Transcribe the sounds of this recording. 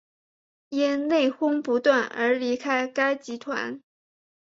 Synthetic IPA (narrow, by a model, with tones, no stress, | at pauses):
jɛ˥nne˥˩ɪxʊ˥ŋpu˧˥t̪wa˥˩nə̰˞˧˥li˧˥kʰa˥ɪka˥ɪt͡ɕi˧˥t̪ʰwa̰˧˥n